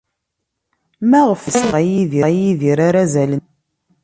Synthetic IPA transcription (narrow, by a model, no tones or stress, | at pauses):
mæʁəfəsʁæjiðiæjiðiɾaɾæzælən